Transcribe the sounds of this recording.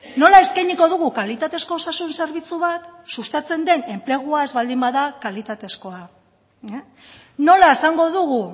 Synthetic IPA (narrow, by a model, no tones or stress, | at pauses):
no̞lae̞skajɲiko̞ð̞uɣukalit̪at̪e̞sko̞sasunse̞ɾβ̞it͡suβat̪sust̪at͡se̞nd̪e̞ne̞mple̞ɣ̞uaezβald̪imbaðakalit̪at̪e̞sko̞a | no̞lae̞saŋɡo̞ðuɣu